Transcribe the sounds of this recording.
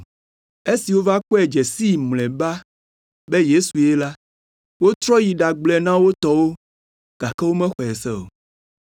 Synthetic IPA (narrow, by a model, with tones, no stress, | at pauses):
e˦si˨wo˦va˦k͡pɔ˦ɛ˨d͡ʒɛ˨si˦˨mlɛ̃˨ba˦ | be˦je˦su˨je˦la˦ | wo˦t̪ɾɔ˦ji˨ɖa˨ɡ͡blɛ˦nã˦wo˦t̪ɔ˦wo˦ | ɡ̥a˨kɛ˦wo˦mɛ̃˦xɔ˨ɛ˨sɛ˦o̰˨